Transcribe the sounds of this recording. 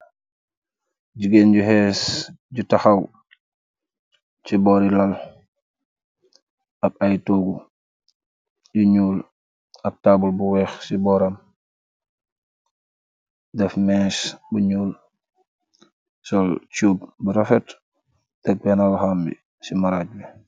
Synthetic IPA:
ɟuɡenɟuhɛːs | ɟutaxaw | t͡ʃibɔːɾilal | ʔak̚ajtoɡu | juɲuːl | ɐk̚tabulbuwɛxsibɔːɾam | dɛfmɛsbuɲuːl | sɔlt͡ʃuːb̚buɾafɛt | tak̚bɛnawhambḭ | simaɾaɟ̚bɛ

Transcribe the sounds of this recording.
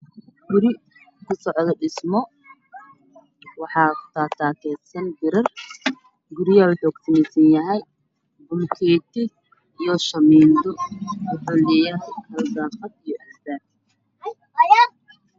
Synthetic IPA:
ɡʊɾɪ | kʰʊsɔʕðɔɖɪsmɔ | wɑħɑːt̪ʰaːt̪ʰaːkʰɛːsɐnɡɪɾɐr | ɡʊɾɪjawʊħʊɡt̪ɐnɛsɐnjɐɦɛj | bʊlkʰɛːt̪ʰɪ | ijɔʃɐmiːnd̪ɔħʊlɪjɐħɐlsaːfɐd̪ijɔʔɛsb̪aːt̪

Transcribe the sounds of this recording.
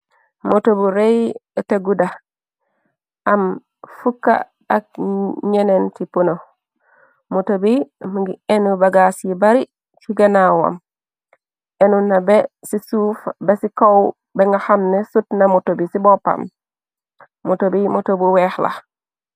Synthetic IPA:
motobuɾejataɡuda | am | fukːa̰ː | k̚ɲenentipuno | motobimɡenubaɡasibaɾi | siɡanawa̰m | enunabesisuːfbesikaw | beŋɡahamnesutnamotobisibopa̰m | motobimotobuwexla̰

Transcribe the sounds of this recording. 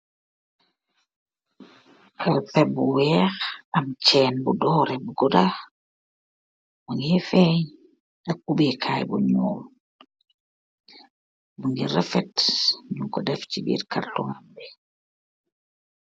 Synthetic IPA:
aɾpɛbuwɛxamt͡ʃɛːnbudɔɾɛbuɡuda | muŋɡiɛfɛɲ | akubikʰajbuɲɔ̰ːl | buŋɡiɾɛfɛtɲukɔdɛft͡ʃibḭːɾka̰rtuŋambɛ

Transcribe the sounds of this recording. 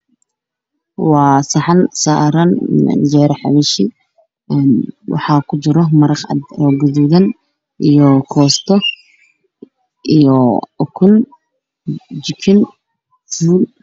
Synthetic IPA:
wɑːsɑħɑnsaːɾɐn̰nd͡ʒɛːɾɐħɑ̰βɛʃi | ɛnwʔɑ̰ħɑːkʰʊt͡ʃɪɾɔmɐɾɑqɑ̰d̪ɔɡʊðuðɐn | ʔijɔkʰɔːst̪ʰɔ | ʔijɔkʰʊn | d͡ʒɪkʰɪn | d͡ʒuːn

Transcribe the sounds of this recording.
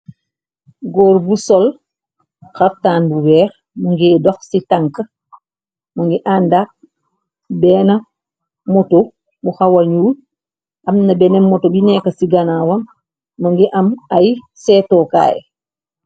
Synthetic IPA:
ɡɔːɾbusɔl | xaftaːnbuwɛːɾ | muŋɡiːdɔxsitaŋkə | muŋɡiʔandak̚ | bɛːnɐ | mɔto | buxawɐlɲuːl | ʔɐmnɐbɛnɛmmɔtobinɛːkɐsiɡanawɐmː | ɐŋɡiʔɐmaj | sɛːtɔːka̰ːjɛ̰

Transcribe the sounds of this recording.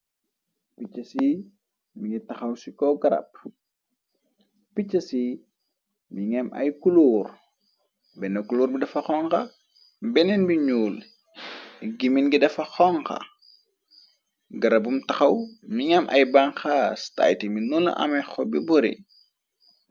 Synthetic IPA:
picːɐsi | miŋitɐxɐwsikɔɡɐɾɐ̰p̚ | picːɐsi | miŋɛmɐ̰jkuluːr | bɛnɐkuluːrbidɐfɐxɔŋkɐ | bɛnɛnbiɲuːl | ɡiminɡidɐfɐxɔŋkɐ̰ | ɡɐɾɐbumtɐxɐwmiŋɛmʔɐ̰jbɐŋxaːsta̰ːjtiminulɐ̰ʔɐ̰mɐjxɔbibuɾḭ

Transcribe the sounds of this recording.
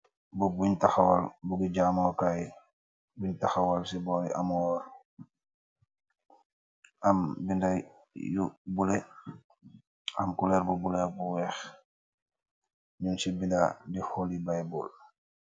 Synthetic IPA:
bubuɲtaxawalbuɡiɟamɔkaj | buɲtaxawalsibɔːɾiʔa̰mɔːɾ | ambinda | jṵbule | a̰mkulɛɾbubulɛbuwɛːx | ɲunsibinda̰dixolibajbul

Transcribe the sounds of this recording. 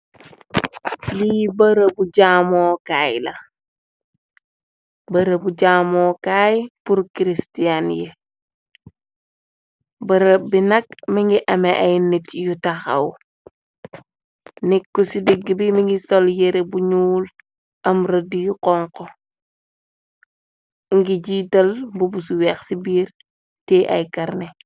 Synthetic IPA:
libɐɾəbuɟaːmɔːkaːjlɐ | bɐɾəbuɟaːmoːkajpuɾkiɾistianje | bɐɾəbinɐkmiŋɡiʔɐmeʔajnetjutaxɐ̰w | nikːusidiɡːibimiŋɡisoljeɾebuɲuːl | ɐmɾɐdijuqɔŋkɔ | ŋɡiɟitɐlbubus̬uwɛxsibiːɾ | tɛʔɐ̰jkɐɾne

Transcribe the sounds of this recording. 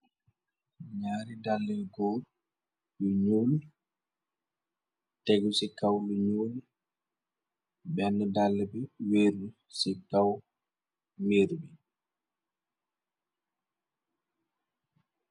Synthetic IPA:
ɲaːɾidalːɛɡɔɾ | luɲuːl | tɛɡusikawluɲuːl | bɛnːɛdalːɛbɛweːɾdu | sitaw | weːɾbɛ

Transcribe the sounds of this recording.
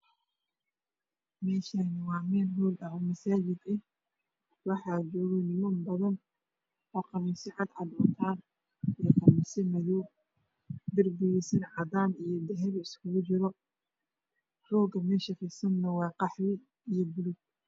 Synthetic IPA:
mɛːʃanɪwɑːmɛːlɦuːlɖɑʕɔmɐsaːd͡ʒɪd̪ɛh | wɑħɑːd͡ʒɔːɣɔnɪmɔnbɐðɐn | ɔːqɑmɪsɪʕɑd̪ʕɑd̪ɔːnt̪ʰaːn | ijqɑmɪsɪmɐju | d̪ɪrbʊjɛsɪnʕɑd̪aːnijɞd̪ɛɦɛɾɪskʰʊɣʊt͡ʃɪɾɔ | rɔːɡɐmɛːʃɐfɪsɐnnɐwɑːqɑħlɪ | ijɔbʊlʊɡ̚

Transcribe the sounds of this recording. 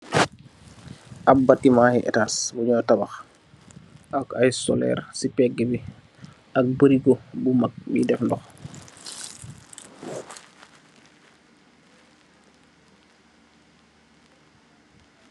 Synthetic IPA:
ʔab̚batːimahɛʔɛ̰taːsbuɲɔtabax | ʔakajsɔ̰lɛ̰ɾsipɛɡɛbi | ʔak̚bəɾiɡobumak̚bidɛfndɔx

